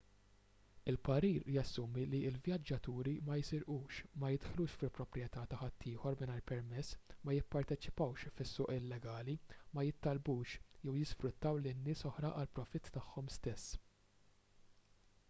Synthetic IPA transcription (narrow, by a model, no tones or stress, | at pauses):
ɪlpɐɾiːɾjɐsːʊːmiliɪlvjɐd͡ʒːɐt̪uːɾimɐjsɪɾʔuːʃmɐjɪd̪ħluːʃfɪlpɾɔpɾjɛt̪ɐːt̪ɐħɐt̪ʰːɪːħɔɾmɪnɐjɾpɛɾmɛsːmɐjɪpːɐɾt̪ɛt͡ʃɪ̥pɐwʃfɪsːʊːʔɪlːɛɡɐːlimɐjɪt̪ːɐlbuːʃjɛwjɪsfɾʊt̪ːɐwlɪnːɪːsɔħɾɐʔɐlpɾɔfɪt̪ːɐħːɔmst̪ɛsː